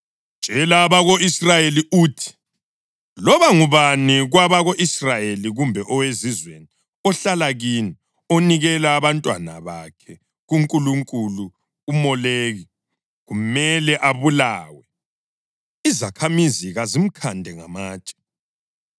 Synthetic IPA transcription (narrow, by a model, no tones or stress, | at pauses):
ʒ̥ʼʱɛlaβaɣoisrajeliʔuːtʰi̥ | lɔβaŋuβaniɣwaβaɣoʔisrajeliɣumbʱɛʔɔwezizweni | ɔɬalaɣini | oniɣɛlaːβantʼwa̰na̰βakʰɛ | ɣuŋkʼuluŋkʼuluː | mɔleːɣi | ɣumɛlɛʔaβulaːwɛ | izakʰamiziɣazim̩kʰandʱɛŋa̰maːt͡ʃʼɛ̥